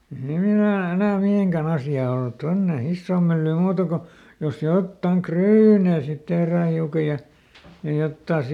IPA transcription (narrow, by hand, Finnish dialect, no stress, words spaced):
ei hiːn enæː enæː miheˑŋkæn ɑsjɑː olt tonːe isːoːm mylːyːm muːtɑ ko jos jotːɑŋ kryːneˑ sit tehræː hiukɑ jɑ jɑ jotːɑː